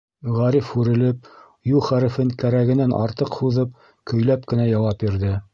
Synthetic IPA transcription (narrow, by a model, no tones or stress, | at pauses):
ʁæɾifhʉɾɘ̆lɘp̚ | julˠχæɾɘ̆fɘŋkæɾæɡɘ̆nænʔɑ̰ɾt̪ɤqhuðɤp̚ | kɵ̆jlæp̚kɘ̆næjɑwɑpbiɾðɘ